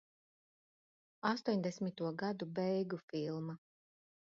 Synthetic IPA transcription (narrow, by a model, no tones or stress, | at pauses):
ast̪uɔɲʲd̪ɛsʲmʲit̪uɔɡad̪ubɛjɡufilˠma